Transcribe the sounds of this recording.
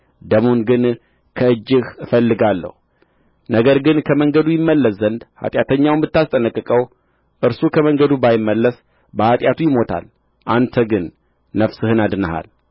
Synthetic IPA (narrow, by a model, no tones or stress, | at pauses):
d̪əmonɡɨn | kʰəɨd͡ʒːɨhfəlːɨɡalːə̰hu | nəɡəɾɡɨnkʰəməŋɡəd̪ujɪmːəlːəszənd̪ha̰t̪ʼjat̪ʰəɲːawɨmbɨt̪ːast̪ʼənəkʼːɨkʼəw | ʔɨɾsukʰəməŋɡəd̪ubajɪmːəlːəs | bəhat̪ʼjat̪ʰujɪmo̞t̪ʰa̰l | ʔant̪ʰəɡɨnː | əfsɨhɨnad̪ɨnəha̰l